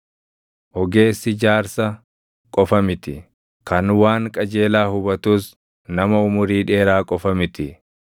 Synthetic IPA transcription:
ʔɔɡe̞ːsːɪd͡ʒaːɾsɐ | kʼɔfɐmɪt̪ɪ | kɐnwaːŋkʼɐd͡ʒe̞ːlaːhʊbɐt̪uːs | nɐmɐʊmʊɾiːᶑe̞ːɾaːkʼɔfɐmɪt̪ɪ

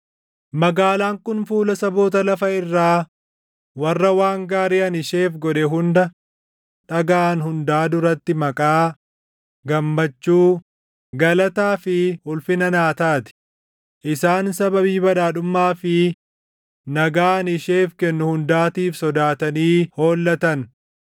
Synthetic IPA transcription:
mɐɡaːlaːŋkʊnfuːlɐsɐbo̞ːt̪ɐlɐfɐɪrːaː | wɐrːɐwaːŋɡaːɾiːɐnɪʃeːfɡɔᶑɛɦʊnd̪ɐ | ᶑɐɡaːnhʊnd̪aːd̪ʊɾɐt̪ːɪmɐkʼaː | ɡɐmːɐt͡ʃːuː | ɡɐlɐt̪aːfɪʊlfɪnɐnaːt̪aːt̪ɪ̥ | ʔɪsaːnsɐbɐbiːbɐᶑaːᶑʊmːaːfɪ | nɐɡaːɐnɪʃeːfkɛnːʊhʊnd̪aːt̪iːfsɔd̪aːt̪ɐniːho̞ːlːɐt̪ɐn

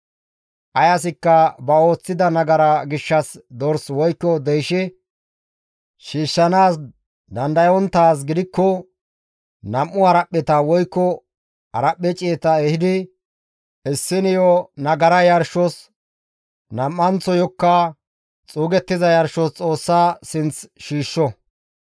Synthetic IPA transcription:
ʔɐjɐs̬ɪkːɐbɐo̞ːt͡sːɪd̪ɐnɐɡɐɾɐɡɪʃːɐsd̪ɔɾswɔjkːɔd̪ɛjʃɛ | ʃiːʃːɐnaːs | d̪ɐnd̪ɐjɔnt̪ːaːs̬ɡɪd̪ɪkːɔ | nɐmʔːʊɐɾɐpːɛt̪ɐwɔjkːɔ | ɐɾɐpːɛt͡ʃʼeːt̪ɐɛhɪd̪ɪ | ɪsːɪnɪjɔnɐɡɐɾɐjɐɾʃɔs | nɐmːɐnt͡sːɔjɔkːɐ | t͡sʼuːɡɛt̪ːɪzɐjɐɾʃɔst͡sʼo̞ːsːaːsɪnt͡sʃiːʃːɔ

